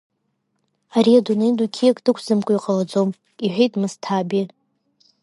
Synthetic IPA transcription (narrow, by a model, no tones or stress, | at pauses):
aɾiadunejdukʲʰiakʼd̥ɨkʷʰzɨmkʷʼʊiqʼalad͡zomʼ | iħʷᶣejtʼmɨstʰabi